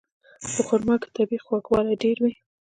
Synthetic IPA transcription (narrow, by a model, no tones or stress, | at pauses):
d̪̥əxʊɾmɑkt̪abixwakwɑlajɖeɾwi